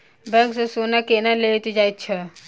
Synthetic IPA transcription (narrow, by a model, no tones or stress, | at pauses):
bɛ̃ŋksesonakenalet̪id͡ʒaːit̪̚t͡ʃʰɛ